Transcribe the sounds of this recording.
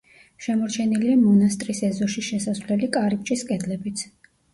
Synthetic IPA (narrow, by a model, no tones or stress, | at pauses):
ʃɛmɔɾt͡ʃʰɛniliamɔnast̪ʼɾisɛzɔʃiʃɛsasvlɛlikʼaɾip̚t͡ʃʼiskʼɛd̪lɛbit̪sʰ